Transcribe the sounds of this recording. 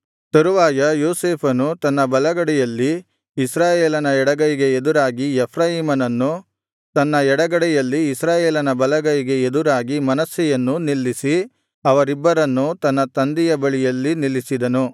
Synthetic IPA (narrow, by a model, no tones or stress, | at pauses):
t̪ɐɾuʋaːjɐjoːseːpʰɐnut̪ɐnːɐbɐlɐɡɐɽɛjɐlːiː | sɾaːjeːlɐnɐɛɽɐɡɐjiɡe̞ed̪uɾaːɡiɛpʰɾaːjiːmɐnɐnːu | t̪ɐnːɐɛɽɐɡɐɽɛjɐlːiːsɾaːjeːlɐnɐbɐlɐɡɐjiɡe̞ed̪uɾaːɡimɐnɐsːɛjɐnːunilːisi | ɐʋɐɾibːɐɾɐnːut̪ɐnːɐt̪ɐnd̪ijɐbɐɭijɐlːinilːisid̪ɐnu